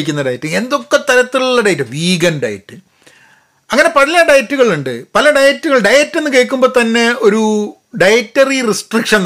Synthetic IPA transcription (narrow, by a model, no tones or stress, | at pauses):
ikʲːunːɐɖɐjɐtːɨe̞nd̪o̞kːe̞t̪ɐɾɐt̪ːiluɭːɐɖɐjtːɐʋiːɡɐnɖɐ̰jɐ̰tːɨ | ɐŋːɐne̞pɐɽilɐɖɐjɐtːuɣɐɭuɳɖɨpɐlɐɖɐjɐtːuɣɐɭɖɐjɐtːenːɨkeːɻkːumbo̞ːt̪ɐnːe̞o̞ɾu | ɖɐjɐtːɐririsʈrikʂɐn